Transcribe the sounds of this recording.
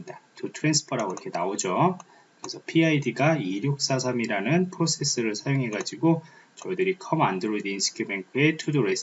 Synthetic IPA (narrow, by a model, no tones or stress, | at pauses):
datutʰɯɾe̞nsʰɯ̥pʰʌɾaɡoiɾkʰe̞naod͡ʑo | kɯɾe̞sʰʌpʰiaidiɡaiɾjok̚s͈as̬ʰamiɾanɯnpʰɯɾosʰe̞s͈ɯɾɯɭsʰajoŋɦe̞ɡad͡ʑiɡo | t͡ɕʌidɯɾikʰʌmandɯɾodiinsʰɯ̥kʰumeŋkʰue̞tʰudoɾes